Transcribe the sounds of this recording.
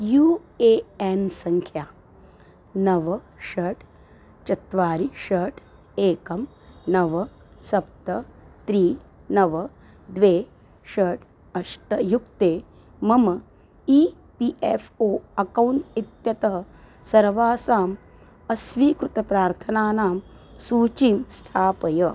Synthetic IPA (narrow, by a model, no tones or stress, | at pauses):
juːeːensɐŋkʰjaː | nɐʋɐ | ʃɐɾʈ | t͡ʃɐt̪ʋaːɾiʃɐːʈ | eːkɐm | nɐʋɐ | sɐp̚t̪ɐt̪ɾiːnɐʋɐ | d̪ʋeː | ʃɐːʈʰ | ɐʃʈɐjukt̪eː | mɐmɐ | iː | piʔefʰoːɐkɐwɳʈit̪jɐt̪ɐɦɐ | sɐɾʋaːsaːm | ɐsʋiːkɾut̪ɐpɾaːɾt̪ʰɐnaːnaːm | suːt͡ʃiːmst̪ʰaːpɐjɐ